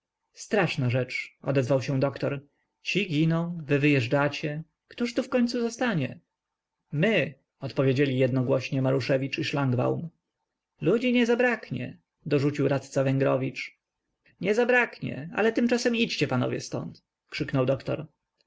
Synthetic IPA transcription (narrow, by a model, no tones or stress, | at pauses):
st̪ɾaʂnaʐɛt͡ʂɔ̰d̪ɛzvawɕɛ̃d̪ɔkt̪ɔɾ | t͡ɕiɡʲinɔ̃w̃vɘvɘjɛʐɖat͡ɕɛ | kt̪uʂt̪ufkɔɲtsuzɔst̪aɲɛ | mɘ | ɔt̪pɔvʲed͡ʑelʲijɛd̪nɔɡwɔɕɲɛmaɾuʂɛvʲit͡ʂiʂlaŋɡba̰wm | lud͡ʑiɲɛzabɾakɲɛ̰ | d̪ɔʐut͡ɕiwɾat̪t̪savɛŋɡɾɔvʲit͡ʂ | ɲɛzabɾakɲɛ̰a̰lɛt̪ɘmt͡ʂasɛmit͡ɕt͡ɕɛpanɔ̰vʲjɛ̰st̪ɔ̰nt̪ | kʂɘknɔwd̪ɔkt̪ɔ̰ɾ